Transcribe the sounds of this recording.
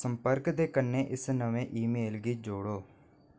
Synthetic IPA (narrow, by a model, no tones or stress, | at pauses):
əmpəɾkd̪eːkənːeːʔɪsnəʋẽːʔiːmeːlɡiːd͡ʒoːɽoː